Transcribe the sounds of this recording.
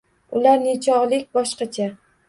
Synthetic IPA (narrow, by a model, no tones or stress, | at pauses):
ʊlaɾnɪt͡ʃʰɒʁlɪkʲbɒʃqɑt͡ʃʰa